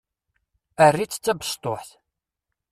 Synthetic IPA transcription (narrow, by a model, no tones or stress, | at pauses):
ərːit͡sːt͡sːæbəst̪ˤoħθ